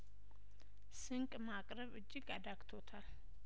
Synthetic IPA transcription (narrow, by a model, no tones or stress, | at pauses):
sɨŋkʼmakʼɾəβɨd͡ʒːɪɡad̪akt̪ʰot̪ʰal